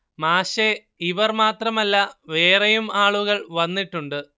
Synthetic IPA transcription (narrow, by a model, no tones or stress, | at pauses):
maːɕe | iʋɐrmaːt̪rɐmɐlːɐʋe̞ːrejumaːɭuɣɐɭʋɐnːiʈːuɳɖɨ